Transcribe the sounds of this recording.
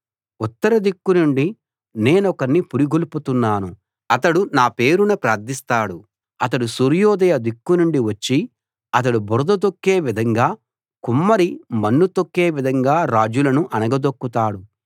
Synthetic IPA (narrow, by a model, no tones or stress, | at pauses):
ut̪ːɐɾɐd̪ikːunuɳɖi | ne̞ːnɔkɐnnːipuɾiɡuluput̪unːaːnu | ɐt̪ɐɽunaːpeːɾunɐpɾaːɾd̪ist̪aːɽu | ɐt̪̬ɐɽusuɾjɔːd̪ɐjɐd̪ikːunuɳɖiʋɐt͡ʃːi | ɐt̪̬ɐɽubɔɾd̪ɐd̪okːe̞ːʋid̪ʱɐŋɡaː | kumːɐɾimɐnːut̪okːe̞ːʋid̪ʱɐŋɡaːɾaːd͡ʒulɐnuʔɐnɐɡɐd̪okːut̪aːɽu